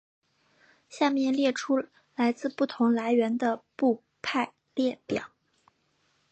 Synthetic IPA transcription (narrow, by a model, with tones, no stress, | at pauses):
ɕja˥˧mjɛ˥˧nljɛ˥˩ʈ͡ʂʰu˥ | la˧˥ɪt͡sɹ̩˥˧pu˥˩t̪ʰʊ˧˥ŋla˧˥ɪɥɛ˧˥nd̪ə˧pu˥˧ | pʰa˥˧ɪ | ljɛ˥˩pjɑ̰˨˩˦